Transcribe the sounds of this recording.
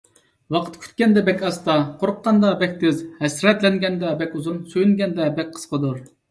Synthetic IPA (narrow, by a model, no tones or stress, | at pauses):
wɑqʰə̥t̪kʲʰy̥t̪̚kʲɛnd̪ɛbɛkʲɑst̪ɑqʰoɾʊqːɑnd̪ɑbɛkʲt̪ʰɪzhɛsɾɛt̪lɛŋɡʲɛnd̪ɛbɛkʲuzumsøjynɡʲɛnd̪ɛbɛk̚ʲqʰə̥sqʰəd̪uɾ